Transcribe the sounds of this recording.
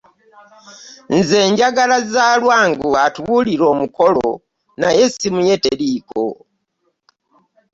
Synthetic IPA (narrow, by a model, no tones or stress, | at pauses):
nzeːɲɟaɡalazalwaːŋɡuatuβuliɾo̞ːmuko̞lo̰ | najesimuje̞teliːko̰